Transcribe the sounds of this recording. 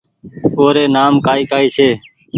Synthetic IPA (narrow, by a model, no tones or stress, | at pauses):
oːɾeːnaːmkaːiːkaːiːsʰeː